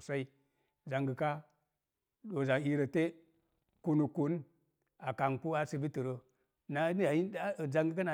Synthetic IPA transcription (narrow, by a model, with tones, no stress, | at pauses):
sa˦i˦ | za˨ŋɡi˨ka˦ | do˨za˨ŋi˦ɾə˨te˦ | ku˦nu˨ku˨˦n | a˨ka˨ŋku˦a˦si˨˦bi˦ti˨ɾə˨ | na˨˦i˦a˨i˦˨za˦ŋɡi˦ka˦na˨